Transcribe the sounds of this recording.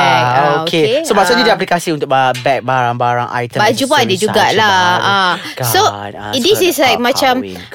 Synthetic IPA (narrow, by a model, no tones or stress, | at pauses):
ɛkookʰesomaʔsʊt̪nɲĩdiap̬likasiunt̪ʊkabɛk̚baɾãŋbaɾaŋʔa̰jt̪ə̃bad͡ʒupandid͡ʒuɡaʔlaa | so | disislajk̚mãt͡ʃam